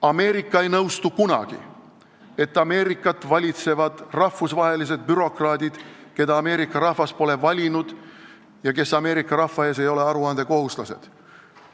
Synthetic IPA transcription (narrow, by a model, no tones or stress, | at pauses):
ɑme̞ːɾikˑːɑe̞jnɤwst̪ukunɑ̰ɡ̥ḭ | e̞t̪ːˑɑme̞ːɾikːˑɑt̪ːˑvɑlʲit̪se̞vɑd̪̥rɑhfːusvɑɦe̞lis̬e̞d̪̚byɾo̞krɑːd̪̥ʲid̪̥ke̞d̪ɑːme̞ːɾikːˑɑɾɑhvɑspo̞le̞vɑlʲinud̪̥ | jɑke̞sɑme̞ːɾikːˑɑɾɑhfːɑe̞ːs̬e̞jo̞le̞ɑɾuɑnd̪̥e̞ko̞ɦhuslɑse̞̰d̪̥